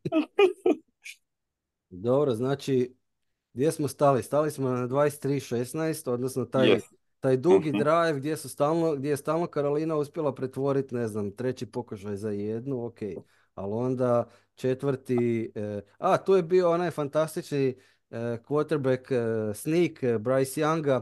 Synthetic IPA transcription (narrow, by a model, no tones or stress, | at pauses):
d̪o̞bɾoznaːt͡ʃi | ɡd̪jesmost̪alist̪alismonad̪ʋaːest̪ːɾiːʃesnajst̪o̞d̪nosnot̪aj | t̪aːjd̪uɡid̪ɾajʋɡd̪je̞sust̪aːlˠnoɡd̪je̞jest̪aːlˠno̞kaɾoliːnauspjelˠapɾe̞t̪ʋo̞ɾit̪ne̞znamt̪ɾe̞t͡ɕipo̞kuʃajzajed̪nuoke̞j | a̰lo̞nd̪a | t͡ʃe̞t̪ʋəɾt̪i | at̪uːje̞biːo̞o̞najfant̪ast̪it͡ʃni | kʋot̪eɾbeksnikbɾajsjaŋɡa